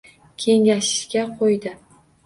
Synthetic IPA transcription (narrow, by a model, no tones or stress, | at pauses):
kʲʰe̞ŋʲaʃɪ̥ʃkʲaqʰojd̪ɪ